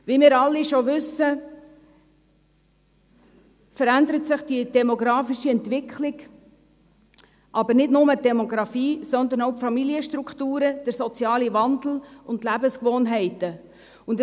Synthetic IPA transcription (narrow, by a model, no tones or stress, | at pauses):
ʋimɪːɾɑlːiʃoʋʏsːə | fəɾændəɾətsɪχd̥id̥ɛmɔɡɾɑːfiʃiɛntvɪkχlɪɡ | ʔɑbəɾnɪdnʊmədɛmɔɡɾɑfiːsɔnd̪ənoʊpfɑmiliəʃtɾuktuːɾəd̥əɾsɔt͡sjɑːlivɑndl̩ʊndlæbəskʋoːnɦɛɪtə | ʊnd